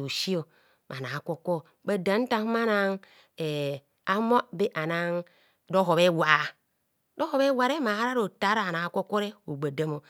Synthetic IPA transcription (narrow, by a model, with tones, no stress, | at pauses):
o˨si˦o˨ | ma˨na˨ko˦ko˦ | ba˨da˨˦n˦ta˦ŋ˦ma˦na˦ŋ | e˨ | a˦mo˦be˦ʔa˨na˦ŋ | do˦ɦo˨be˦wa˨ | do˦ho˨be˦wa˨ɾe˦ma˨a˦ɾa˦ɾo˨ta˦ɾa˨a˨na˨˦ko˦ko˦ɾe˦o˨ɡ͡ba˨da˦mo˨